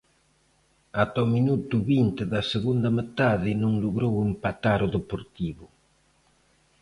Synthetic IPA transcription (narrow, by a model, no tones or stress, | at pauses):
at̪aominut̪uβint̪ɪðɐseɣund̪ɐmet̪aðɪnũŋluɣɾowempat̪aɾʊðepoɾt̪iβʊ